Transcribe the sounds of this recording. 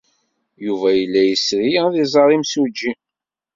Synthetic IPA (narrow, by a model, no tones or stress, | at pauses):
juvæjəlːæjəsɾijðizˤɑɾˤimsud͡ʒːi